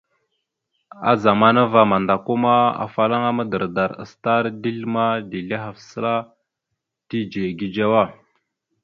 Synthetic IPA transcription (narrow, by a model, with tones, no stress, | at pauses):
a̰˦za˨ma˦na˦va˨ma˨nda˨ku˦ma˦a̰˨fa˦la˦ŋa˦ma˦də˨ɾda˨ɾə̰˨sta˦ɾdi˦lma˦di˨ɮa˦ɦa˨fsə˦la˦ | di˦d͡ʒe˨ɡi˦d͡ʒa˦wa˦˨